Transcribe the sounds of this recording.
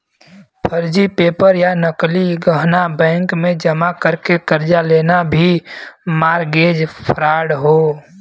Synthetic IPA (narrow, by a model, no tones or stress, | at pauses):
pʰəɾd͡ʒipeːpəɾjanəkliɡəɦnabɛ̃ːŋkmẽd͡ʒɐmakəɾkekɐɾd͡ʒaleːnabʱimaːɾɡeːd͡ʒpʰəɾaːɽɦoː